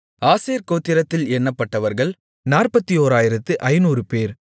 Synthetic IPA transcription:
aːseːɾkoːt̪ːɪɾɐt̪ːɪlɛɳːɐpːɐʈːɐʋɐɾɣɐɭ | naːrpɐt̪ːijoːɾaːjɪɾɐt̪ːɯʔɐɪnuːɾɯpeːɾ

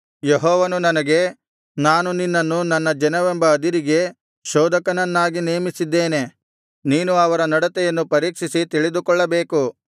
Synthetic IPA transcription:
jeɦɔːʋɐnunɐnɐɡe̞ | naːnuninːɐnːunɐnːɐd͡ʒɐnɐʋɛmbɐːd̪iɾiɡe̞ | ʃɔːd̪ɐkɐnɐnːaːɡineːmisid̪ːeːne̞ | niːnuɐʋɐɾɐnɐɽɐt̪ɛjɐnːupɐɾiːkʂisit̪iɭid̪ukɔɭːɐbeːku

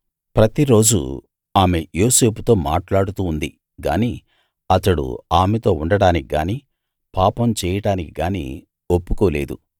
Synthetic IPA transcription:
pɾɐt̪iɾo̞ːd͡ʒṵ | aːme̞joːse̞ːpu̥t̪o̞ːma̰ːʈlaːɽut̪uːnd̪i | ɡa̰ːniː | ɐt̪ɐɽṵaːmet̪o̞ːuɳɖɐɽaːnikiɡa̰ːniː | paːpɐmt͡ʃɛːjɐɽaːnikiɡaːnḭː | opːukoːle̞ːd̪u

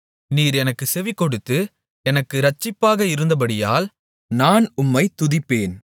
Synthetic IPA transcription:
niːɾɛnɐkːɯsɛʋɪkːɔɽɯt̪ːɯ | ɛnɐkːɯɾɐt͡ʃːɪpːaːɣɐɪɾɯnd̪ɐp̬ɐɽɪja̰ːl | naːnʊmːɐɪt̪ʊðɪpːeːn

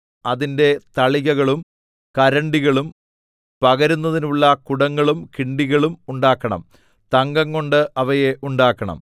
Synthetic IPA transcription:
ɐðinde̞t̪ɐɭiɣɐɣɐɭum | kɐɾɐɳɖiɣɐɭum | pɐɣɐɾunːɐðinuɭːɐkuɽɐŋːɐɭumkiɳɖiɣɐɭumuɳɖaːkːɐɳɐ̰m | t̪ɐŋɡɐŋːo̞ɳɖɨʔɐʋɐjeʔuɳɖaːkːɐɳɐ̰m

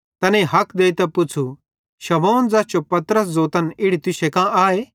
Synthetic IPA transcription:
t̪ɐnẽɦɐkʰd̪eːit̪ɛpʊt͡sʰu | ʃɐmoːnd͡zaːt͡ʃopɐt̪ɾəs̬d͡zoːt̪ənɪɽit̪ʊʃekãaːeː

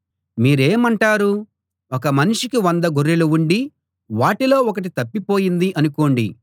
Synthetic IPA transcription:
miːɾeːmɐɳʈaːɾu | ɔk̬ɐmɐniʂikiʋɐnd̪ɐɡuɾːiluuɳɖi | ʋaːʈilo̞ːɔkɐʈ̬it̪ɐpːipo̞ːjind̪iʔɐnuko̞ːɳɖḭ

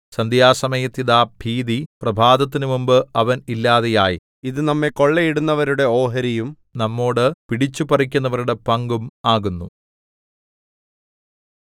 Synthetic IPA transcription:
sɐnd̪jaːsɐmɐjɐt̪ːiðaːbʱiːd̪iprɐbʱaːd̪ɐt̪ːinumumbɨɐʋɐnilːaːðejaːji | iðɨnɐmːeko̞ɭːejiɽunːɐʋɐɾuɽe̞o̞ːɦɐɾijum | nɐmːo̞ːɽɨpiɽit͡ɕːupɐrik̬ʲːunːɐʋɐɾuɽe̞pɐŋɡumaːɣunːu

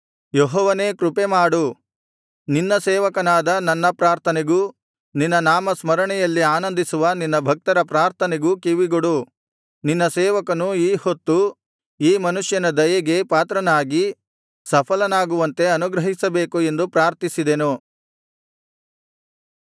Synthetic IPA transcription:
jeɦɔːʋɐneːkɾupemaːɽu | ninːɐsɛːʋɐkɐnaːd̪ɐnɐnːɐpɾaːɾt̪ʰɐneɡu | ninːɐnaːmɐsmɐɾɐɳɛjɐlːiaːnɐnd̪isuʋɐninːɐbʱɐk̚t̪ɐɾɐpɾaːɾt̪ʰɐneɡukiʋiɡoɽu | ninːɐsɛːʋɐkɐnuiːhot̪ːu | iːmɐnuʂjɐnɐd̪ɐjɐɡe̞paːt̪ɾɐnaːɡi | sɐpʰɐlɐnaːɡuʋɐnt̪e̞ɐnuɡɾɐɦisɐbeːkue̞nd̪upɾaːɾt̪isid̪enu

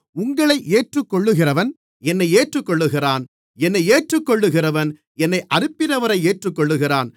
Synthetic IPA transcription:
ʊŋɡɐɭɐɪʔeːʈrɯkːɔɭːɯɣɪrɐʋɐn | ɛnːɐɪeːʈrɯkːɔɭːɯɣɪraːn | ɛnːɐɪeːʈrɯkːɔɭːɯɣɪrɐʋɐn | ɛnːɐɪʔɐrɯpːɪnɐʋɐɾɐɪeːʈrɯkːɔɭːɯɣɪraːn

